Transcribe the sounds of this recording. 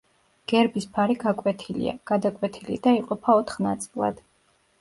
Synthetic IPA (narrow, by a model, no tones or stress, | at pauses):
ɡ̥ɛɾbispʰaɾiɡakʼwɛt̪ʰilḭa̰ɡ̥ad̪akʼwɛt̪ʰilḭd̪̥aiqʼɔpʰaɔt̪ʰχnat̪sʼilˠa̰d̪̥